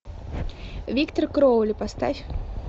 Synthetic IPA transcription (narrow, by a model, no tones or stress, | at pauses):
vʲikt̪ɔrkɾɔwlʲipast̪afʲ